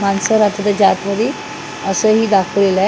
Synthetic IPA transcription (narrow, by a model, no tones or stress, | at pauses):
mansəɾat̪əd̪əd͡ʑat̪ʋəɾiː | əsəɦiːd̪akʰəʋlelə